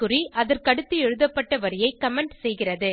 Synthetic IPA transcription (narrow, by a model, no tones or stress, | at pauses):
kɯriʔɐðɐrkɐɽɯt̪ːɯɛɻɯðɐpːɐʈːɐʋɐɾɪjɐɪkɐmɛɳɖsɛjɣɪrɐðɯ